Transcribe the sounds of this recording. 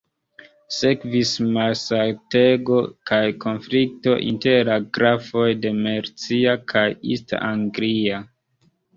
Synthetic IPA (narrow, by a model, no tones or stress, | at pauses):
se̞kvismasalteɡo̞kajkʰo̞nflik̚to̞ʔḭnte̞ɾaɡɾafo̞jde̞meɾt͡siakʰajḭsta̰ʔaŋɡlia